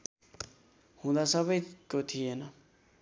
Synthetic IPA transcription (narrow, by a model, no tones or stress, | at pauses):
hũd̪asʌβʌjkot̪ʰijenʌ